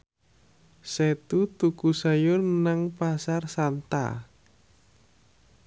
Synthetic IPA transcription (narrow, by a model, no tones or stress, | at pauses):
sɛt̪ut̪ukusajʊrnaŋpasarsant̪a̰